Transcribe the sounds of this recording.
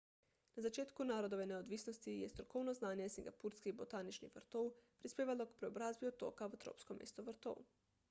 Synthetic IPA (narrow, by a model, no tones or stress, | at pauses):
nazat͡ʃeːt̪kunaːɾod̪oʋeneod̪ʋisnost̪ijest̪ɾokoːwnoznaːnjesiŋɡapuɾskibot̪aːnit͡ʃnḭʋrt̪oːwpɾispeːʋalokpɾɛobɾaːzbiot̪o̰ːkaʋat̪ɾo̰pskomeːst̪oʋɾt̪o̰w